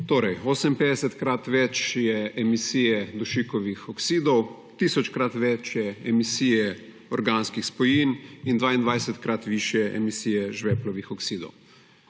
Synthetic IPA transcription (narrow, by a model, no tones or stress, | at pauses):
t̪oːɾɛjoːsɛmpeːd̪ɛsɛt̪kɾat̪ʋɛt͡ʃjɛɛmisiːjɛd̪uʃikɔʋixɔksiːd̪ɔw | t̪iːsɔt͡ʃkɾat̪ʋɛt͡ʃjɛɛmisiːjɛ | ɔɾɡanskixspɔjiːnind̪ʋaːind̪ʋaːjsɛt̪kɾat̪ʋiːʃjɛʔɛ̰misiːjɛʒʋɛːplɔʋixɔksiːd̪ɔ̰w